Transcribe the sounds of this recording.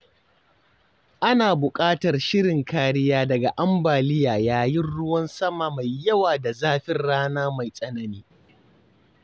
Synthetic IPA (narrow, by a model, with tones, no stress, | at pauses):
ʔa˦naː˨bʊ˨kʼaː˦tɐ˨rʃɪ˦ɽɪ˨ŋkaː˦ɽɪ˦jaː˦dɐ˨ɡa˨ʔa˦mbaː˨lɪ˦jaː˨jaː˦jɪ˦nɽʊ˦wɐ˦nsɐ˦ma˨ma˨jːɐ˦waː˨da˨zaː˦ɸɪ˦nɽaː˦naː˦ma˨jsʼɐ˦nɐ˨niː˦